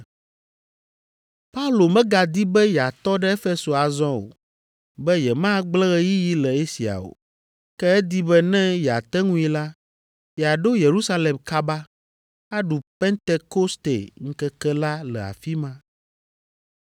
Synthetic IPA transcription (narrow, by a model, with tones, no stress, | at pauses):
pa˦u˦lo˨mɛ̃˦ɡa˨d̪i˦bɛ˦jɛ˨a˨t̪ɔ˦ɖɛ˦e˦fe˦so˨a˨zɔ̃˦o̰˨ | bɛ˦jɛ˨mã˦ɡ͡blɛ˦ɣɛ˦ji˦ji˦lɛ˨e˦si˨a̰˨o̰˨ | kɛ˦ɛ˦d̪i˦bɛ˦nɛ̃˦jɛ˨a˨t̪ɛ˦ŋũ˦i˦la˦ | jɛ˨a˨ɖo˦je˨ɾu˦sa˦le˨mka˦ba˦ | a˦ɖu˨pɛ˦nt̪e˦ko˦st̪ḛ˨ŋ̩˦kɛ˦kɛ˦la˦lɛ̰˨a̰˨fi˦mã˦